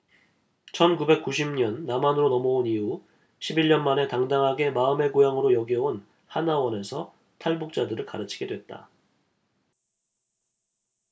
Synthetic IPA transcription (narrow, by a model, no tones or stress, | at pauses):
t͡ɕʰʌnkube̞k͈uɕ̬ʰimɲʌnːamanɯɾonʌmʌoniu | ɕʰibiɭɲʌnmane̞taŋdaŋɦaɡe̞maɯme̞ɡojaŋɯɾojʌɡiʌon | hanawʌne̞sʰʌ | tʰaɭbuk̚t͡ɕ͈adɯɾɯɭkaɾɯt͡ɕʰi̥ɡe̞dwe̞t̚t͈a̰